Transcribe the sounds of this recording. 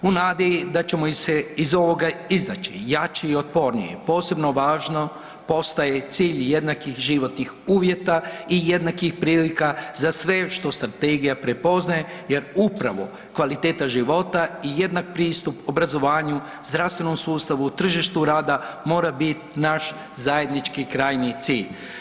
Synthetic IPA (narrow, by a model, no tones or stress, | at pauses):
unaːd̪id̪at͡ʃe̞moiseizo̞ʋo̞ɡaizat͡ʃijat͡ʃeio̞t̪̚po̞ɾnḭjḛpo̞ːse̞bno̞ʋaːʒno̞ | po̞st̪aje̞t̪siːʎje̞d̪nakixʒiʋo̞t̪nixuːʋje̞t̪aije̞d̪nakixpɾiːlikazasʋe̞ʃt̪o̞st̪ɾat̪eɡijapɾe̞po̞znaje̞ | je̞ɾupɾaʋo̞ | kʋalit̪eːt̪aʒiʋo̞t̪aije̞d̪nak̚pɾiːst̪upo̞bɾazo̞ʋaːɲu | zd̪ɾafst̪ʋeno̞msuːst̪aʋuːt̪r̩ʒiʃt̪uɾaːd̪amo̞ːɾabit̪naʃ | zaje̞d̪nit͡ʃkikɾaːjnit̪siːʎ